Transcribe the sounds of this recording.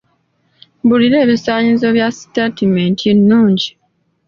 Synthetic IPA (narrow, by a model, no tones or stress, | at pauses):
buliɾe̞ːβisaːɲizo̞βjasi̥tatimeːntʰinːuːɲɟi